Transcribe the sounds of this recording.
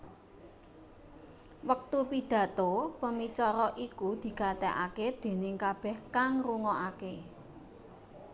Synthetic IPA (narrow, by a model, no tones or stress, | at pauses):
wək̚t̪upid̪̥ä̤t̪opəmit͡ʃɔɾɔʔikud̪̥i̤kat̪ɛʔa̰ked̪̥e̤nɪŋkab̥ɛhkaŋruŋɔʔake